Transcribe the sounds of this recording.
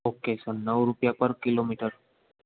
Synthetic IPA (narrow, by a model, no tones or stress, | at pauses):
okesənːəʋɾupjapəɾkilomiʈəɾ